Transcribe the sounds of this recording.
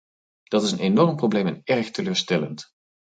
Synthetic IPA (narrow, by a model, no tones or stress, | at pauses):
d̥ɑtɪsənenɔɹmprowblejmɛnɛɹxtəløːɹstɛlənt